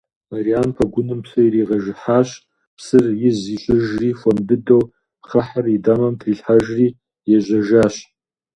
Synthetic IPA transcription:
marianpʰaɡʷʊnɨmpʃʰairiʁaʒħaʃ | pʰsɨrjɪziɕʷʼɪʒrifamdɨdow | χaħaridamamtʰriɬħaʒri | jaʒʷaʒaʃ

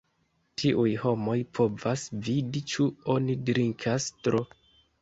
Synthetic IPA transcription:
tʰiʔujho̞mo̞jpʰo̞vasvidit͡ʃuo̞nidɾiŋkʰastɾo

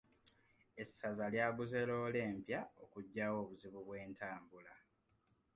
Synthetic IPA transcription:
e̞sːazaljaːβuze̞lo̞ːle̞ːmpjaokuɟːaːwo̞ːβuziβuβwe̞ːntaːmbula

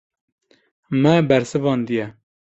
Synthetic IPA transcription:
mɛbɛɾsɨvɑːnd̪ijɛ

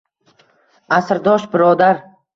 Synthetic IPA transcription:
asɾd̪ɒʃbɪɾɒd̪aɾ

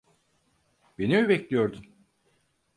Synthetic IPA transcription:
be̞nimibɛclʲijo̞ɾd̪um

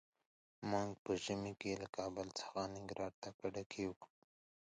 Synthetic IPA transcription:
maŋɡpəʒɪmekelakɑbəlt͡sə̥xanɪŋɡɾɑɽt̪akaɽakʰewk

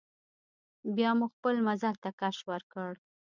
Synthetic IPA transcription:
bjɑmuxpəlmazalt̪akaʃwəɾkəɽ

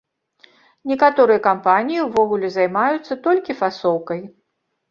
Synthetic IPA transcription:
nʲɛkat̪ɔɾɨjɐkampanʲijiwvɔɣulʲɛzajmajut̪sːɐt̪ɔlʲkʲifasɔwkɐj

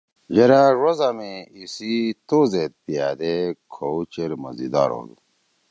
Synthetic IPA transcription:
d͡ʑeɾaɾozameisit̪oːzet̪̚pijaːd̪ekʰowt͡ɕeɾmɐzid̪a̰ːɾo̰ːd̪ṵ

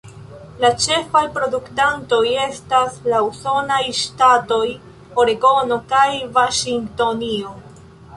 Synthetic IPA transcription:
lat͡ʃe̞fajpɾo̞duktanto̞je̞staslauso̞najʃtato̞j | o̞ɾeɡo̞no̞kajvaʃiŋto̞nio

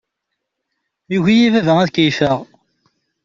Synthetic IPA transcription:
juʝijivævəʁæðkijfəʁ

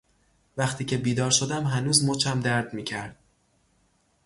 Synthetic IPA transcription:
væχt̪ʰiːcʰe̞biːd̪ɒːɾʃod̪æmɦænuːzmot͡ʃʰæmd̪æɾd̪miːcʰæɾd̪̥

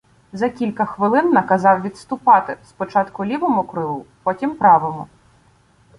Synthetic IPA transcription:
zɐkʲilʲkɐxʋɪlˠɪnːɐkɐzɑwʋʲidt̪st̪ʊpɑt̪ɪspɔt͡ʃɑt̪kʊlʲiʋɔmʊkɾʊɦupɔtʲimpɾɑʋɔmʊ

